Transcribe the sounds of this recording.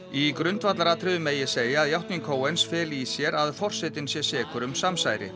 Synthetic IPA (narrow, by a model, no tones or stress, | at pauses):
ikɾʏnt̪vat̪laɾaːt̪ʰɾɪðʏmeːjɪseːjaaðjawht̪niŋkʰoːwejnsfɛːlisjɛɾaðfɔr̥sɛt̪ɪnsjɛ̥sɛːkʏɾʏmsamsaːjɾɪ̰